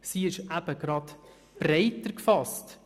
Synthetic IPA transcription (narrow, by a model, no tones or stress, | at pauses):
siɪʃʔæb̥əɡ̥ɾɑt̪ | b̥rɛɪtəɾkfɑst